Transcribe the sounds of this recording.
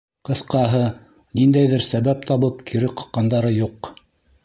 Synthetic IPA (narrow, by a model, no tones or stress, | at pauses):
qɤ̆θqɑɦɤ | nind̪æjðɘɾsæβæp̚t̪ɑβɤpkʰiɾɘqɤ̆qqːɑnd̪ɑɾɤjuq